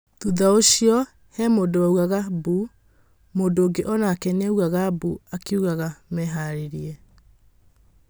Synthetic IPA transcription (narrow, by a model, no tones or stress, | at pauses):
tuðaoɕiɔ | hɛmodoauɣaɣabu | modoːɡeʔɔnaːkɛneuɣaɣabuakeuɣaɣamɛɦaɾeɾiɛ